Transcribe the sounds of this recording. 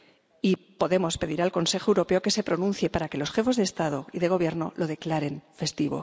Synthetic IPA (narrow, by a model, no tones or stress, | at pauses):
ipo̞ðe̞mo̞spe̞ðiɾalko̞nsexoewɾo̞pe̞oke̞se̞pɾo̞nũnθje̞paɾake̞lo̞sxe̞fe̞zðest̪að̞o̞iðe̞ɣ̞o̞β̞je̞ɾno̞̰lo̞ðe̞klaɾe̞ɱfe̞st̪iβo̞̰